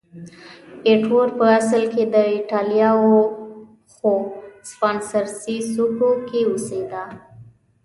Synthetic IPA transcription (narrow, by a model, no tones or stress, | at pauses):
eʈwoɾpəaslked̪əɪʈɑlijɑo | xospɑnsəɾsisukokeused̪a